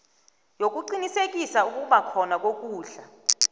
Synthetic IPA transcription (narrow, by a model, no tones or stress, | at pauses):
jok̬ʼuǃinisek̬ʼisauk̬ʼuɓakʰɔnak̬ʼok̬ʼuːɬa